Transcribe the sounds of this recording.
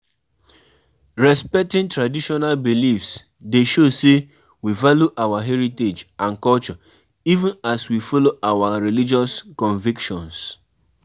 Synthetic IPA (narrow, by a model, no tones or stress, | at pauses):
ɹɛspɛk̚tĩntɹadiʃɔnalbilifs | deʃose | wivaljuʔawaɦɛɹited͡ʒãnkɔlt͡ʃɔ | ivũnaswifɔloʔawaɹilid͡ʒɔskɔ̃ɱvikʃɔ̃ns